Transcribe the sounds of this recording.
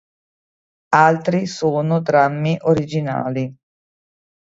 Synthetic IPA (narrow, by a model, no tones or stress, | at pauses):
alt̪ɾisoːnod̪ɾamːiʔoɾid͡ʒina̰ːli